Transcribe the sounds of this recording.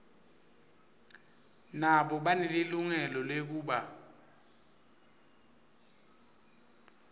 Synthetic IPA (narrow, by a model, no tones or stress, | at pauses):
naɓɔɓaneliluŋɛlɔlek̬uːɓa